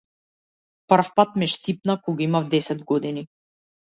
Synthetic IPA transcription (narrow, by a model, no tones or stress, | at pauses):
pr̩fpat̪mɛʃt̪ip̚nakɔɡaimavd̪ɛsɛd̪ɡɔd̪ini